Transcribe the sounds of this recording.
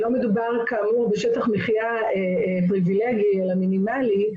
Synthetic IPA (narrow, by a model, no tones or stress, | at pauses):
lo̞med̪ubaʁkamuʁbeʃet̪aχmiχja | e | pʁivileɡielaminimali